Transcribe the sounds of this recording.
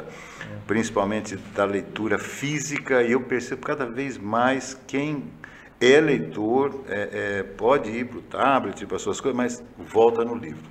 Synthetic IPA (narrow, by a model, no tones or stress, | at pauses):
pɾĩsi̥pawmẽnt͡ʃɪd̪ɐlejt̪uɾɐfizikɐɪewpeɾsebʊkad̪ɐvejzmajskẽj̃ | ɛlejt̪oɾɛʔɛpɔd͡ʒɪiɾpɾʊt̪ablet͡ʃiɾpɾɐsuɐskojzɐmɐsvɔwt̪ɐnʊlivɾʊ